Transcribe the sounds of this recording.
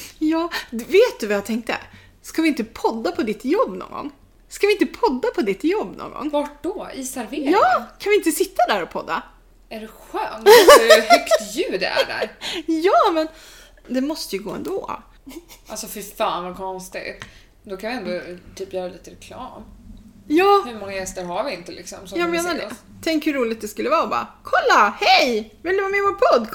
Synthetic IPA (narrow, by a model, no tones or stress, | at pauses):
jɑːveːt̪̚d̪ɵvajat̪ʰɛŋk̚t̪ə̰ | skavɪɪnt̪əpʰɔd̪ːapʰɔd̪ɪt̪jɔbːnɔ̰ŋɡɔ̰ŋː | skavɪɪnt̪əpʰɔd̪ːapʰɔd̪ɪt̪jɔbːnɔ̰ŋɡɔ̰ŋːvaʈ̚ɖɔiːsaɾveɾɑːkʰanvɪɪnt̪əsɪt̪ʰːad̪æɾɔpʰɔd̪ːa̰ | æɖɛɧœːnhœkt̪jʉ̟ːd̪ɛ̰æ̰ɖæ̰ɾjɑːmɛn | d̪ɛmɔst̪əjɵɡoːɛ̰nd̪o̰ː | alsɔfɪɾfaːnvakʰɔnst̪ɪ̰ | d̪ɔkʰanvɪɛnd̪ɔt̪ʰyːpjœːɾaliːt̪əɾɛkʰlɑ̰ːm | jɑːhɵmɔŋːajɛst̪əɾɦaɾvɪɪnt̪əlɪ̰ksɔmsɔjɑːɡmeːnaɖɛ | t̪ʰɛŋkhɵɾuːlɪt̪̚d̪ɛskɵlːəvɑːɔbɑ̰ːkʰɔlːahɛjvɪld̪ɵvaːmɛvɔːpʰɔd̪ː